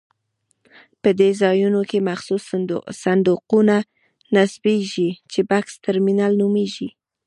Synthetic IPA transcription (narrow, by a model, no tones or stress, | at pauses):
pəd̪ezɑjunokemaxsussand̪uquna | nasbeʒit͡ʃebakst̪aɾminɑlnumeʒi